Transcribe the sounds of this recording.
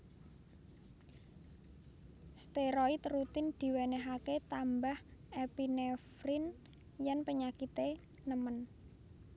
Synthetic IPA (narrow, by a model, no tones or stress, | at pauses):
st̪eɾoit̪rut̪ɪnd̪̥i̤wenɛɦaket̪ambahepinefɾɪn | jɛnpəɲakit̪e | nəmən